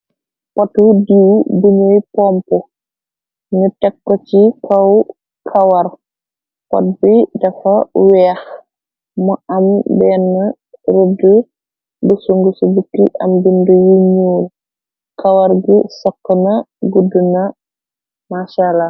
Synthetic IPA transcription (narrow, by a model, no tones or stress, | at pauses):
pɔtudiwbuɲujpɔmpu | ŋutɛkːɔcikʰɐw | kʰɐwɐr | pɔ̰t̚bidɐfɐwɛːx | mɔʔɐmbɛːnːɐ | ɾudə | bəsuŋɡusubukːiʔɐ̰mbindujuɲuːl | kʰɐwɐɾɡisɔkːɔnɐ | ɡudunɐ | maʃalːa